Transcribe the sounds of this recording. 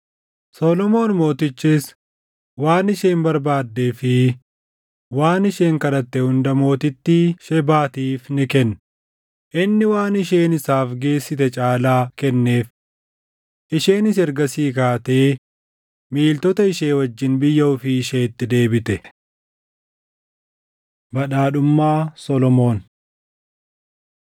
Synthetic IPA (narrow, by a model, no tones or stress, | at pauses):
soːlɔmo̞ːnmo̞ːt̪ɪt͡ʃːɪs | waːnɪʃe̞ːmbɐɾbaːd̪ːeːfɪ | waːnɪʃe̞ːŋkɐlɐt̪ːɛhʊnd̪ɐmo̞ːt̪ɪt̪ːiːʃɛbaːt̪iːfnɪkɛnː | ʔɪnːɪwaːnɪʃeːnɪsaːfɡe̞ːsːɪt̪ɛt͡ʃʼaːlaːkɛnːe̞ːf | ʔɪʃe̞ːnɪsɛɾɡɐsiːkaːt̪eː | miːlt̪ɔt̪ɐɪʃe̞ːwɐd͡ʒːɪnbɪjːɐʊfɪːʃeːt̪ːɪd̪e̞ːbɪt̪ɛ | bɐɗaːɗʊmːaːsɔlɔmo̞ːn